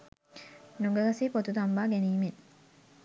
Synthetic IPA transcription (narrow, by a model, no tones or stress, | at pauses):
nuɡeɡɐsiːpot̪ud̪ɐmbaːɡeniːmeŋ